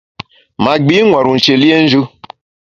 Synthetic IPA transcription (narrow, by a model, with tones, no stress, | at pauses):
ma˨ɡ͡bi˦ŋʷa˨ɾu˨n̩˨t͡ʃe˨li˦e˦n̩˦d͡ʒu˦